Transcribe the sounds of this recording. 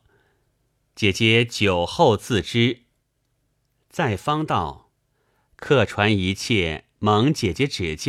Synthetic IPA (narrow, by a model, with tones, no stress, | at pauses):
t͡ɕjɛ˨˩t͡ɕjɛ˧˥t͡ɕjo˨˩ʊxo˥˧ʊt͡sʰɹ̩˥˩ʈ͡ʂɻ̩˥ | t͡sa˥˩ɪfɑ˥ŋt̪ɑ˥˩ʊ | kʰɤ˥˩ʈ͡ʂʰwa˧˥ni˧˥t͡ɕʰjɛ˥˩ | mɤ˧˥ŋt͡ɕjɛ˨˩t͡ɕjɛ˧˥ʈ͡ʂɻ̩˨˩t͡ɕ